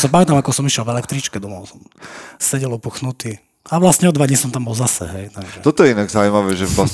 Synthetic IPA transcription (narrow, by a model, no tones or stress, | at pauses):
sapamɛt̪amakɔsɔmiʃɛlvɛlɛkt̪ɾit͡ʃkɛd̪ɔmɔʊsɔmsɛɟɛlupuxnut̪i | aʋlastɲɛɔd̪ʋaɟɲisɔmt̪ambɔlzasɛ̰ɦɛjt̪aɡʒɛt̪ɔt̪ɔjɛinaɡzaujmaʋɛːʒɛlas